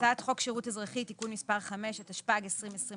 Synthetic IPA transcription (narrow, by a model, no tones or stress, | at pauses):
taːt̪χo̞kʃeʁutezʁaχitikunmispaʁχameʃetaʃpaɡesʁimesʁi